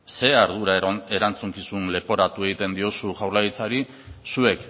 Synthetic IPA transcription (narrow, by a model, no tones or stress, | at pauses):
se̞aɾðuɾae̞ɾant͡suŋkisunle̞po̞ɾat̪ue̞ɣit̪e̞nd̪io̞suʝawɾlaɣit͡saɾi | sue̞k